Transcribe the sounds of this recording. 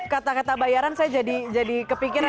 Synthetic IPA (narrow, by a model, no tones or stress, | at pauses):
kat̪akat̪abajaɾansajad͡ʒadid͡ʒadikəpikiɾ